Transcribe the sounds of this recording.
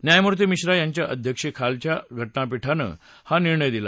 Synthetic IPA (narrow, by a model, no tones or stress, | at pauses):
njajmuɾt̪̬emiɕɾajaɲt͡ɕjaʔəd̪ʱjəkʂekʰalt͡ɕjaɡʱəʈnapiʈʰanə̰ | haniɾɳəjd̪ila